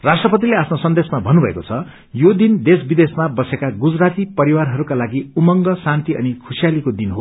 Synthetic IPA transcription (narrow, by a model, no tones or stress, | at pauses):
rasʈrʌpʌt̪̬ileapnosʌnd̪esmabʱʌnːubʱʌḛkot͡sʰʌ | jod̪ind̪esbid̪esmabʌsekaɡud͡zrat̪ipʌɾiwarɦʌɾukalaɡiumʌŋɡʌsant̪iʌ̰nikʰusijalikod̪inɦo